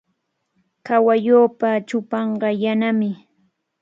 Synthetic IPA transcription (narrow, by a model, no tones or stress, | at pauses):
kawajoːpat͡ʃʊpɑɴɢɑjanamɪ